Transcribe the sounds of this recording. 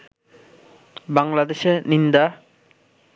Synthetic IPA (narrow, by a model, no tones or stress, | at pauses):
baŋlad̪eʃenind̪a